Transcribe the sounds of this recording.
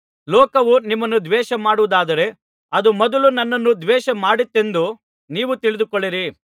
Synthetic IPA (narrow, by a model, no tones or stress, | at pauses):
lɔːkɐʋunimːɐnːud̪ʋɛːʃɐmaːɽuʋud̪aːd̪ɐɾe̞ | ɐd̪umɐd̪ulunɐnːɐnːud̪ʋɛːʃɐmaːɽit̪ːe̞nd̪u | niːʋut̪iɭid̪ukoɭːiɾi